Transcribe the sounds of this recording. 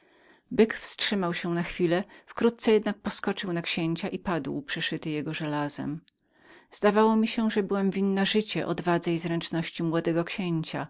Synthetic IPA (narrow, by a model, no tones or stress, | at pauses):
bɘkfstʂɘmawɕɛnaxfʲilɛfkɾut̪̚t̪sɛjɛd̪nak̚pɔskɔt͡ʂɘwnakɕeɲt͡ɕaʔipad̪wpʂɛʂɘt̪ɘjɛɡɔʐɛlazɛ̰m | z̥d̪avawɔmʲiɕɛʐɛbɘwamvʲinːaʐɘt͡ɕɛʔɔ̰d̪vad̪zɛjzɾɛnt͡ʂnɔɕt͡ɕimwɔd̪ɛɡɔkɕeɲt͡ɕa